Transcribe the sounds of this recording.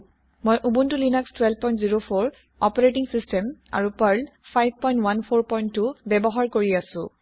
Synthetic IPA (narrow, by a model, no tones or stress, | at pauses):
mojʔubuntulinakstwɛlb̚pɔjntziɹopʰoɹ | ɔpɔɹetiŋsistɛma̰ɹupaɹnpʰajb̚ʱpɔjntwanpʰoɹpɔjntːubɛbɔɦaɹkoɹiasʊ̰̃